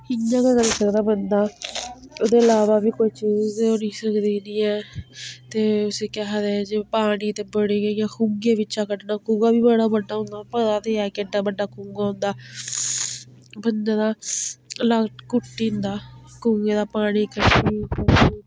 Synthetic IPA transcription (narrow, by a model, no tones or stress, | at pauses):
ɪjãːkəkəɾiːsəkd̪aːbənd̪aː | oːd̪eːəlaːʋaːbiːkoiːt͡ʃiːzoniːsəkd̪iːd̪iːɛːt̪eːʊseːkɛɦd̪eːd͡ʒepaːɽ̃iːt̪eːbəɽeːɡəijãːkuɡeːʋɪt͡ʃaːkəʈnaːkũːŋɡaːbiːbəɽaːbəɖːaːɦʊ̃nd̪aːpət̪aːt̪eːɛːkeɖaːbəɖːaːkuːŋɡaːɦʊ̃nd̪aː | bənd̪ãːd̪aː | laːkʊʈːiːʊ̃nd̪aːkuŋɡẽːd̪aːpaːɽ̃iːkəʈʰːiːka